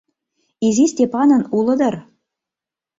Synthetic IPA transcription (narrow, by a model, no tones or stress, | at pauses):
izisʲtʲepɑnɤ̆nulˠɤ̆d̪ɤ̆r